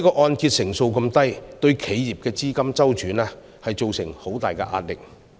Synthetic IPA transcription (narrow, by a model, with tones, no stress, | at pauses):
i˥kɔː˧ʔɔː˧nkiː˧t̚sɪ˨˩ŋso˧wkɐ˧mt̪ɐ˥jt̪ɵ˧ɥkʰe˨˥jjiː˨p̚kɛː˧t͡siː˥kɐ˥mt͡sɐ˥wt͡ʃyː˨˥nɛː˥ | hɐ˨jt͡ʃo˨wsɪ˨˩ŋho˨˥wt̪aː˨jkɛ̰ː˧ʔa̰ː˧t̚lɪ˨k̚